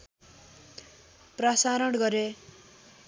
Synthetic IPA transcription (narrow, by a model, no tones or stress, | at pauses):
prasaɾʌɽɡʌɾe